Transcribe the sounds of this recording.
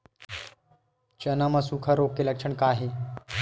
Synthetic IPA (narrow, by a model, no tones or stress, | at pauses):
t͡ʃɐnamɐsukʰɐɾoːkːeləkʂʰəɳkaːɦe